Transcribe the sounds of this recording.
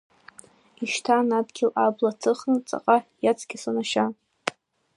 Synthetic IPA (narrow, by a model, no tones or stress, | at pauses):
iʃtʰanabɡʲɪlablatʰɨχnɨt͡sʼa̰qʼajat͡sʰɡʲɪsanaʃa